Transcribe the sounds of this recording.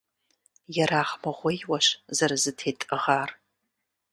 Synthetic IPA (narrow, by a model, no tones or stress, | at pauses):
jɛɾaːχmɐʁʷɪjwɐɕzɐɾɨzɨtʰeːtʼɨʁaːr